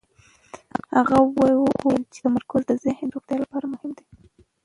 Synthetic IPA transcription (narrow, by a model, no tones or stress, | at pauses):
haɣawajuʔojlt͡ʃe̥t̪amaɾkʊzd̪əzɪhnɾoxt̪jɑlapɑɾamʊhɪmd̪e